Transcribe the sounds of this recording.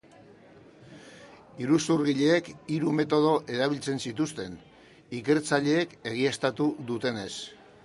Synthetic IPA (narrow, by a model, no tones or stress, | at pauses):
iɾusuɾɣiʎe̞ːkiɾume̞t̪o̞ðo̞ʔe̞ɾaβ̞ilt͡se̞nsit̪ust̪e̞n | ike̞ɾt͡saʎe̞ːke̞ɣ̞iest̪at̪uðut̪e̞ne̞s